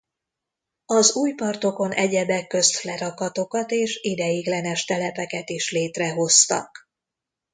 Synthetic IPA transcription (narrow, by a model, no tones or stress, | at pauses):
ɒzuːjpɒrt̪o̞ko̞nʔɛɟɛbɛkːø̞st̪flɛɾɒkɒt̪o̞kɒt̪eːʃid̪ɛjiɡlɛnɛʃt̪ɛlɛpɛkɛt̪iʃleːt̪rɛɦo̞st̪ɒ̰k